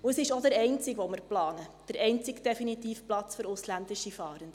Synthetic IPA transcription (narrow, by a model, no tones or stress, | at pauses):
ʊəsɪʃɔd̥əɾɛɪnt͡sɪkʋɔməɾplɑːnəd̥əɾɛɪnt͡sɪkd̥ɛfinit̪iːfplɑt͡sføɾʊslænd̥̪ɪʃifɑːɾənd̥̪